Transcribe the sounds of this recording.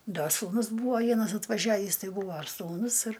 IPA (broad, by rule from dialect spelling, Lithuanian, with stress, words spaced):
ˈdɐ suːˈnʊs ˈbuːʋɐ ˈʋʲiɛnɐs ɐtʋɐˈʒʲæːʋʲiːs ˈtɐɪ ˈbuːʋoː ɐr suːˈnʊs ɪr